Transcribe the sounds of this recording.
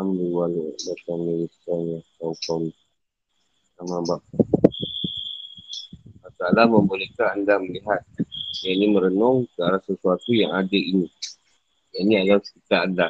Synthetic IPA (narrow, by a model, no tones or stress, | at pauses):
amduliwalobatamilisanakawkani | amabaʔ | mat̪aːlaməmbolekaandaməliɦat̪̚janiməɾənɔŋkəaɾasəsuat̪ujaŋadəini | janiadawskit̪aanda